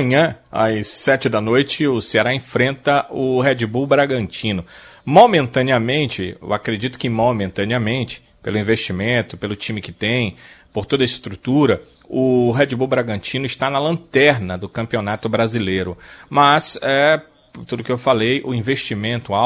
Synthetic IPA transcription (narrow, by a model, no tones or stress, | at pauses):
ɐ̃ɲɐ̃a̰sːɛt͡ʃɪd̪ɐnojt͡ʃɪʊseaɾaẽfɾẽnt̪ɐʊɦɛd͡ʒibuwbɾaɡɐ̃nt͡ʃĩnʊmomẽnt̪ɐ̃niɐmẽnt͡ʃɪḛwakɾed͡ʒit̪ʊ̥kɪmomẽnt̪ɐ̃niɐmẽnt͡ʃɪ̥ | pelʊĩveʃt͡ʃimẽnt̪ʊpelʊt͡ʃĩmɪkɪt̪ẽj̃poɾt̪od̪ɐɪst̪ɾut̪uɾɐ | ʊɦɛd͡ʒibuwbɾaɡɐ̃nt͡ʃĩnʊɪst̪anɐlɐ̃nt̪ɛɾnɐd̪ʊkɐ̃mpionat̪ʊbɾazilejɾʊmɐsɛ | t̪ud̪ʊkɪewfalejʔʊĩveʃt͡ʃimẽnt̪ʊa